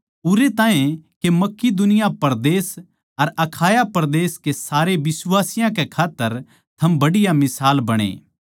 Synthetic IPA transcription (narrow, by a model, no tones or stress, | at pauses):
ʊɾet̪ãːẽkemɐkːid̪ʊnɪjapɐɾd̪eːs | ɐɾɐkʰaːjapɐɾd̪eːskesaːɾeʋɪswaːsɪjãkekʰaːt̪ːəɾ | t̪ʰɐmbɐɽɪjamɪsaːlbɐɽ̃ḛː